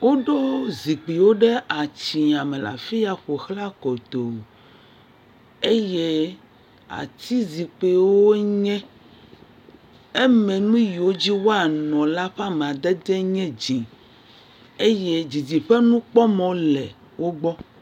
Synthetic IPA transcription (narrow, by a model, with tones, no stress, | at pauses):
wo˦ɖo˦zi˨k͡pi˨wo˦ɖɛ˦ʔa˨t͡ɕi˨a˨mɛ̃˨la̰˨fi˦ja˦ɸo˨xla˦kɔ˨t̪o˨ | e˦je˦ | a̰˨t̪i˦zi˨k͡pe˨wo˦ɲɛ̃˦ | e˦mɛ̃˨nũ˦ji˨o˦d͡ʑi˦wo˦a˨nɔ̃˨la˦ɸa˦mɛ˨a˨d̪ɛ˦d̪ɛ˦ɲɛ̃˦d͡ʑĩ˨ | e˦je˦d͡ʑi˨d͡ʑi˨ɸɛ˦nũ˦k͡pɔ˦mɔ̃˦lɛ̰˨ | wo˦ɡ͡bɔ˦